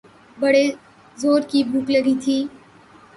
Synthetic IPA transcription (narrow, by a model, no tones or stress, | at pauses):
bɐɽe | zoːɾkibuːkləɡit̪ʰiː